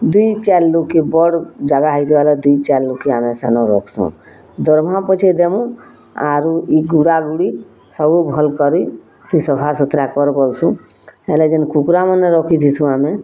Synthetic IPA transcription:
d̪uit͡ʃɛlːukebɔɽd͡ʒaɡaɦəjt̪aled̪uit͡ʃɛlːukeaːmẽsanɔɾo̰ːkʰsṵ̃ | d̪ɔɾmãpət͡ʃʰed̪emũ | a̰ɾuiɡuɽaɡuɽi | səbubʱɔlkəɾui | t̪isəpʰasət̪ɾakɔɾbɔlsũ | eled͡ʒənkukɾamənːeɾokʰit̪ʰisũaːme

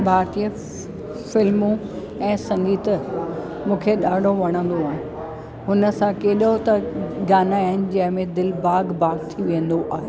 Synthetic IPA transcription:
bʱaːɾt̪ijə | fɪlmũ | ɛ̃ːsɐ̃ŋɡiːt̪ | mũːkʰeɗaːɖʱoʋɐɽ̃ə̃n̆d̪oaːɦɪn | ɦʊnə̆sãkeːɗot̪ɐɡaːnaaːɦɪnɪ̆d͡ʑɐ̃ɦɪ̃mẽd̪ɪlbaːɡbaːɡt̪ʰiʋẽə̃n̆d̪oʔaːɦeː

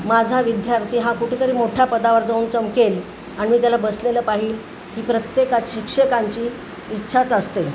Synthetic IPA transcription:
mad͡zʱaʋid̪jaɾt̪ʰiːɦãkuʈʰet̪əɾiːmoʈʰjapəd̪aʋəɾd͡zauːnt͡səmkel | aɽimiːt̪̬jalabəsleləːpaɦiːl | ɦiːpɾət̪jekaɕikʂəkaɲt͡ɕiː | tːɕʰat͡səst̪e

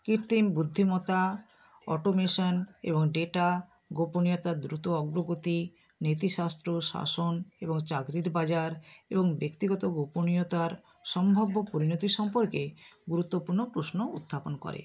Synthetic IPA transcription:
kiɾt̪imbud̪ʱːimɔt̪a | ɔ̰ʈomeʃɔnḛboŋɖeʈa | ɡoponijot̪ad̪ɾut̪oɔɡɾoɡot̪i | net̪iʃast̪ɾoʃa̰soneboŋt͡ɕaɡɾiɾbad͡ʑaɾeboŋbekt̪iɡɔt̪oɡoponijot̪aɾ | ʃɔmbʱabːopoɾinot̪iʃɔmpoɾkeɡuɾut̪ːopuɾnopɾosnout̪ʰːaponkɔ̰ɾḛ

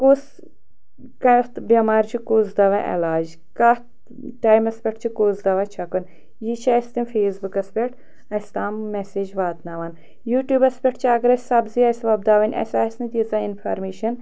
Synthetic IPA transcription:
koːs | kɐt̪bʲɐmaːɾt͡ʃʰikoːzd̪ɐʋɐʔḛlaːd͡ʒ | kɐt | ʈaːjmɐspʲeʈt͡ʃʰikoːzd̪ɐʋɐt͡ʃʰɐkun | jit͡ʃʰɐːst̪imfeːsbukɐspʲeʈ | ɐst̪aːmːeseːd͡ʒʋaːt̪nɐʋɐn | juːʈjuːbɐspʲeʈt͡ʃʰiɐɡɾɐsʲsɐbziɐsʋɐb̚d̪aːʋɐnʲɐ̰saːsnɨd̪izainfʰaːɾmeːʃɐn

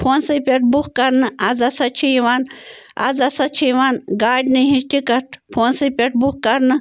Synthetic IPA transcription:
pʰoːnsɨpʲeʈ̚bukkɐɾnɨad͡zɐsɐt͡ʃʰijiʋaːna̰zɐsɐt͡ʃʰijʋanɡaːɖʲniɦiʈikɐʈpʰoːnsɨpʲeʈ̚bukkɐɾnɨ

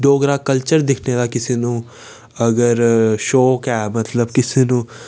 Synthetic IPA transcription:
d̪oːɡɾaːkəlt͡ʃəɾd̪ɪkʰned̪aːkɪseːnũː | əɡəɾʃoːkɛːmət̪ləbkɪseːnũː

